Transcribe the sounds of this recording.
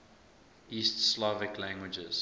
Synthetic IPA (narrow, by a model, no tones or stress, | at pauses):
istslɔvɪklæ̃ŋɡwɪd͡ʒə̰z̥